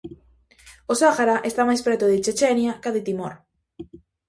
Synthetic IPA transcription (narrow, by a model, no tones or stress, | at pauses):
osaxaɾaʔest̪amajspɾɛt̪ʊðet͡ʃet͡ʃɛnjakaðɪt̪imoɾ